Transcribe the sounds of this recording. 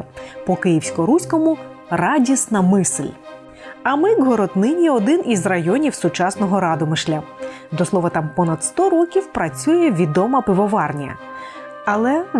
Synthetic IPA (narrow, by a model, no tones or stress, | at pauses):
pɔkɪjiwsʲkɔɾusʲkɔmʊ | rɑdʲisnɐmɪslʲ | ɐmɪɡɦɔɾɔd̪nɪnʲiɔd̪ɪnʔizrɐjɔnʲiwsʊt͡ʃɑsnɔɦɔɾɑd̪ɔmɪʃlʲɐ | d̪ɔslˠɔʋɐt̪ɑmpɔnɐd̪st̪ɔɾɔkʲiwpɾɐt͡sʲujɛʋʲid̪ɔmɐpɪʋɔʋɑrnʲɐ̰ | ɐlˠɛ